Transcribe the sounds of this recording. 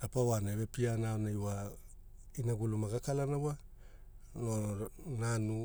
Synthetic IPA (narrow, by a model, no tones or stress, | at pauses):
apawaneβepianaonajwa | inaɡulumaɡakalanawa | nonanu